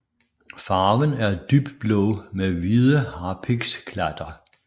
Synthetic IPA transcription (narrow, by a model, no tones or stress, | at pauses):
fɑ̈ːʋənæɐd̥yb̥d̥̚b̥lɔʊmeʋiðˠəhɑ̈pʰiɡ̥skʰlæd̥ɐ